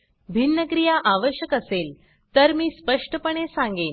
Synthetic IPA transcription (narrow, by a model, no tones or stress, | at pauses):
bʱinːəkɾijaʔaʋəɕjəkəsel | t̪əɾmiːspəʂʈəpəɳ̃esãŋɡen